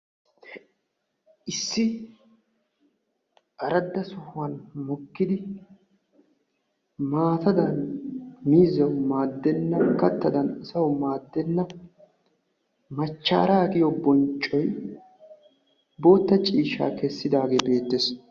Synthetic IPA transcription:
ʔɪsːɪ | ʔɐɾɐd̪ːɐsɔhʊwɐnmɔkːɪd̪ɪ | maːt̪ɐd̪ɐnmiːzːɐwmaːd̪ːɛnːɐkɐt̪ːɐd̪ɐnɐsɐwmaːd̪ːɛnːɐ | mɐt͡ʃːa̰ːɾaːkɪjɔbɔnt͡ʃʼːɔj | bo̞ːt̪ːɐt͡ʃʼiːʃa̰ːkɛsːɪd̪aːɡe̞ːbe̞ːt̪ːes

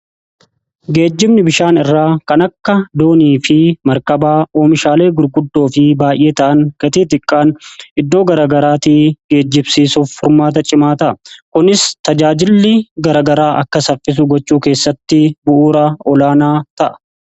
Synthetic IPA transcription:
ɡe̞ːd͡ʒːɪmnɪbɪʃaːnɪrːaːkɐnɐkːɐd̪o̞ːniːfɪmɐɾkɐbaːʔoːmɪʃaːle̞ːɡʊɾɡʊd̪ːo̞ːfɪbaːjʔe̞ːt̪ɐʔɐŋɡ̥ɐt̪iːt̪̬ɪkʼːaːnʔɪd̪ːo̞ːɡɐɾɐːɡɐɾaːt̪iːɡ̥e̞ːd͡ʒːɪbsiːsuːfːʊɾmaːt̪̬ɐt͡ʃʼɪmaːt̪ɐʔkʊnɪst̪ɐd͡ʒaːd͡ʒɪlːɪɡɐɾɐɡɐɾaːʔɐkːɐsɐfːɪs̬ʊɡɔt͡ʃːuːke̞ːsːɐt̪ːɪbʊʔuːɾɐɔlaːnaːt̪ɐʔɐ̥

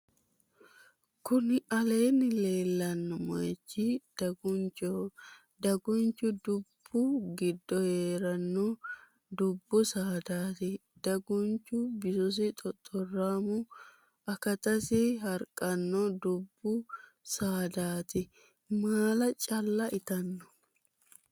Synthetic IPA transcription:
kʊnɪɐle̞ːnːɪle̞ːlːɐnːɔmɐ̰jt͡ʃːɪd̪̥ɐɡʊnt͡ʃɔ | d̪ɐɡʊnt͡ʃːʊd̪ʊbːʊɡɪd̪ːɔheːɾɐnːɔ | d̪ʊbːʊsaːd̪aːt̪ɪd̪̥ɐɡʊnt͡ʃːʊbɪsɔs̬ɪt̪ʼɔt̪ʼːɔraːmʊ | ɐkɐt̪ɐsɪɦɐɾkʼːɐnːɔd̪ʊbːʊ | saːd̪aːt̪ɪ | maːlɐt͡ʃʼɐlːɐʔɪt̪ɐnːɔ̥

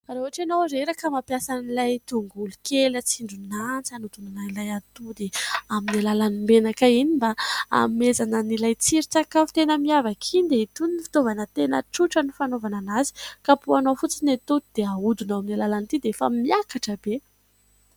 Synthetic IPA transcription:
raɦuaʈ͡ʂanowɾeɾakəmapjasanilajt̪uŋɡulukelət͡siɳɖ͡ʐunant͡sanut̪unanailajat̪ud̪eaminilalanimbenakainimbaa̰mezanənilajt͡siɾit͡sakavu̥t̪enəmiavakʰind̪eit̪uninifi̥t̪ovanət̪enəʈ͡ʂuʈ͡ʂənifanovananazi̥kapuanofut͡sinet̪ud̪id̪̥eaud̪unaaminilalanit̪id̪eefa̰miakaʈ͡ʂəbe

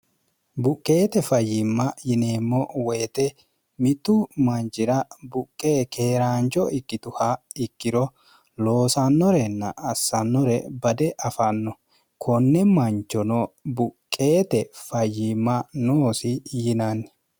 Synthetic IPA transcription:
bʊkʼːe̞ːt̪ɛfɐjːɪmːɐjɪne̞ːmːɔweːt̪ɛ | mɪt̪ːʊmɐnt͡ʃɪɾɐbʊkʼːeːke̞ːɾaːnt͡ʃːɔɪkːɪt̪ʊhɐɪkːɪɾɔ | lo̞ːsɐnːɔɾɛnːɐ̰ʔɐsːɐnːɔɾɛbɐd̪ɛʔɐfɐnːɔ | kʰɔnːɛmɐnt͡ʃːɔnɔbʊkʼːe̞ːt̪ɛfɐjːɪmːɐnoːsɪjɪnɐnːɛ

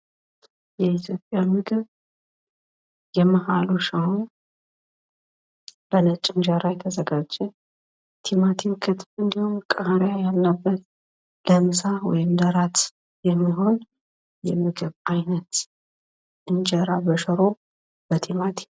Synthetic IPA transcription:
jɛit̪ʰjo̞pʼːjamɨɡɨβ | jɛməhaluʃaw | b̥ənət͡ʃʼːɪnd͡ʒaɾajɛt̪ʰəzəɡad͡ʒɛ | t̪ʰimat̪ʰiwkʰɨt̪bɨnd̪ihumkʼahɾjajalnəbːət̪ | ləmsawɔjɪmd̪əɾat̪ | jɛmːiɦo̞n | jɛmɨɡɨβajnət̪ | ʔɨnd͡ʒəɾabəʃəɾo̞ | b̥ət̪ʰimat̪ʰi̥

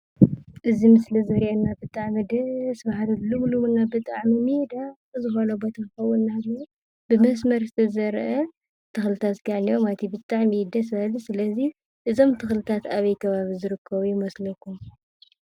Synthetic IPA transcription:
ʔɨzimɨslizɐɾiʔenːabɨt̪ʼaʕmɐd̪ɐsβahalɐlɨβluwunabɨt̪ʼaʕmimid̪a | zɨxonobo̞t̪ʰakɨxɐwːunnado | bɨmɐs̬mɐɾsɨ̥t̪ʰɐzɐɾʔɐ | t̪ʰɨxlɨt̪ʰat̪ɡaʕniomat̪ʰibɨt̪ʼaʕmid̪ɐsɐlsɨlɐzi | ʔɨzo̞mt̪ʰɨxlɨt̪ʰat̪aβɐjkʰɐβaβizɨɾɨkʰːɐβujɪmɐslɐkːum

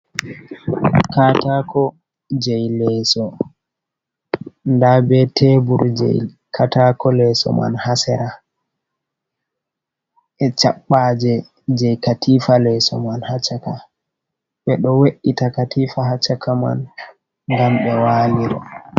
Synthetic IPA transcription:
katakʰɔ | d͡ʒɛjlɛsɔ | ndabɛtʰebuɾd͡ʒɛ̰j | kʰatakɔlɛsɔ̰ma̰nhasɛɾa | ʔɛt͡ʃa̰ɓːad͡ʒɛ | d͡ʒɛjkatifalɛsɔ̰manhat͡ʃaka | ɓɛɗɔweɗːitakatifaɦat͡ʃːakama̰n | ŋɡamɓɛwaːliɾɔ̰

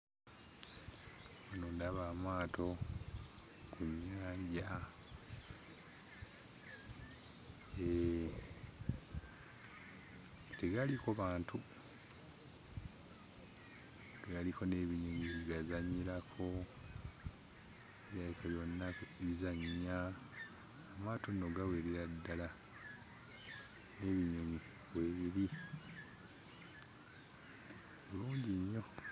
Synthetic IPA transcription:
manondaβamaːto̞ | kuɲːaːɲɟa | e | teɡalikoβaːntʰu | ɡɡaliko̞ne̞ːβiɲoɲiβiɡazaɲːiɾakʰo̞ | eβjakaβjo̞nːakβizaɲia | matonːoɡaweɾiɾadːala | ne̞ːβiɲoɲi | βweːβiɾi | oluːɲɟiɲːo̞

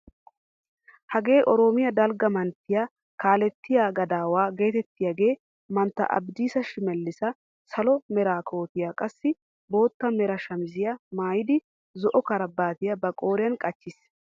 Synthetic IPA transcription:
hɐɡe̞ːʔɔɾoːmɪjɐd̪ɐlɡɐmɐnt̪ːɪja | kaːlɛt̪ːɪjaːɡɐd̪aːwaːɡe̞ːt̪ɛt̪ːɪjɐɡe̞ː | mɐnt̪ːɐ̰ʔɐ̰bd̪iːsɐʃɪmɛlːɪsɐ | sɐlɔmɛɾaːkʰo̞ːt̪ɪjakʼɐsːɪ | bo̞ːt̪ːɐmɛɾɐʃɐmɪzɪjɐmaːjɪd̪ɪ | zɔʔɔkɐɾɐbːaːt̪ɪjɐbɐkʼo̞ːɾɪjɐnkʼɐt͡ʃːɪs

